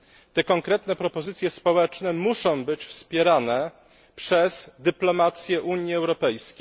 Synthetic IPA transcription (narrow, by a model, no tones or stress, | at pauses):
t̪ɛkɔŋkɾɛt̪nɛpɾɔpɔzɘt̪sʲjɛspɔwɛt͡ʂnɛmuʂɔ̃w̃bɘt͡ɕfspʲjɛɾanɛ | pʂɛz̥d̪ɘplɔmat̪sʲjɛʔuɲjiɛwɾɔpɛjskʲejj